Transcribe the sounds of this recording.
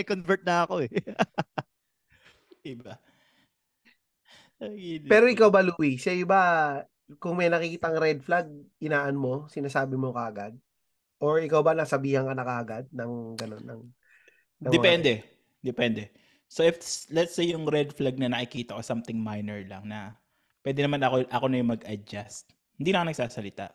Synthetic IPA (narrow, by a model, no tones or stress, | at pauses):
ɪkonvɛɹt̪̚nɐɐkoɛ | ɪba | ɡipɛːɾo̞ʔɪkawbɐluːwisajʊba | kʊŋmɐjnɐkɪkiːt̪ɐŋɾɛd̪̚flaɡ̚ʔɪnaːʔɐnmo̞sɪnaːsaːbɪmo̞kɐʔɐɡad̪̚ | ʔoɹʔɪkawbɐnɐsɐbiːhɐŋkɐnɐkɐʔɐɡad̪̚nɐŋɡɐno̞nːɐ̰ŋ | nɐŋd̪ɛpɛnd̪ɛ | d̪ɛpɛnd̪ɛ | soɪflɛt̪sejjʊŋɾɛd̪̚flaɡ̚nɐnɐkɪkiːt̪ɐko̞samt̪ɪŋmajnɛɹlɐ̰ŋnɐ | pwɛːd̪ɛnɐmanɐkoʔɐko̞nɐjʊŋmɐɡɐd͡ʒast̪̚ | hɪnd̪inɐkɐnɐɡsaːsɐlɪt̪a̰ʔ